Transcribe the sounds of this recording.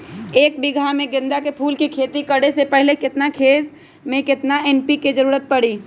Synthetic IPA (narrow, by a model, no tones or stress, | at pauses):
eːk̚bɪɡʱamẽɡɪ̃nd̪akepʰuːlkikʰeːt̪ikəɽesepɛɦlekɪt̪nakʰeːt̪ | mẽkɪt̪naɛːnpiked͡ʒəɾuːɾət̪̚pɐɽiː